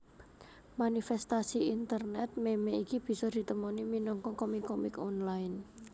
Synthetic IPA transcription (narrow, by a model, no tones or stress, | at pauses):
manifɛst̪asiint̪ərnɛt̪̚memeikib̥i̤sɔd̪̥i̤t̪əmɔniminɔŋkɔkɔmikːɔmikɔnlaɪn